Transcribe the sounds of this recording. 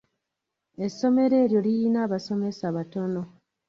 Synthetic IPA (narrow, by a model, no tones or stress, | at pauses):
e̞sːo̞me̞ɾe̞ːɾjo̞lijinaːβaso̞me̞saβato̞no